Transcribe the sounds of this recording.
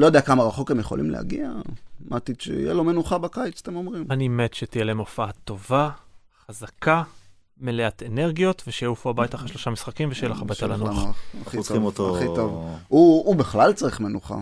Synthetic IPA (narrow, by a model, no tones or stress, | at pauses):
lojod̪eakamaʁaχo̞kemjeχo̞lʔḭmleha̰ɡia̰mʔat̪it̪t͡ʃḛḭjelo̞menuχabakajt͡sḁt̪emo̞mʁimanimet̪ʃet̪ijeleemofaat̪o̞va | χazaka | meleat̪ene̞ʁɡijo̞t̪veʃejaufuabajtaχaʃloʃamisχakimveʃejeleχabajt̪alanuχaχiimot̪oχit̪ovuːbeχlalt͡saʁiχmenuχa̰